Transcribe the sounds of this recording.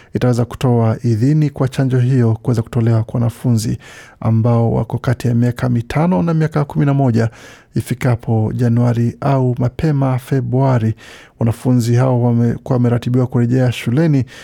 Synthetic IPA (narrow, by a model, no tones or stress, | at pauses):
itawɛzaku̥tɔaʔiðinikwat͡ʃand͡ʒɔɦijɔkuwɛzaku̥tɔlɛwakwawanafunzḭ | a̰mbaɔwa̰kɔkatijamiakʰamitʰanɔnamiakakuminamɔʄa | ifikapʰɔʄanuaɾiʔaumapʰɛmafɛbɾuaɾi | wanafunziɦaɔamɛɾatiɓiwakuɾɛʄɛaʃulɛni